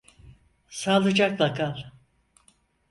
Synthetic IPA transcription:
salˠɯd͡ʒaklakʰalˠ

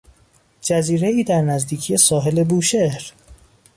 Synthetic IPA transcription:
d͡ʒæziːɾe̞iːd̪æɾnæzd̪iːcʰije̞sɒːɦe̞le̞buːʃehɾ

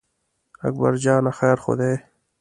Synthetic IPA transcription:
ɐ̰k̚ba̰ɾd͡ʑaːnaxɛːɾxo̰d̪eː

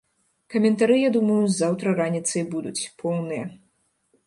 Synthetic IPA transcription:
kɐmʲɛnt̪aɾɨjad̪umɐjuzːawt̪ɾɐɾanʲit̪sɐjbud̪ut͡sʲpʰɔwnɨjɐ

